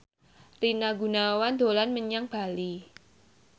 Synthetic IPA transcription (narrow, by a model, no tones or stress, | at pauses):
rinaɡṳnawand̪̥olanməɲaŋb̥a̤li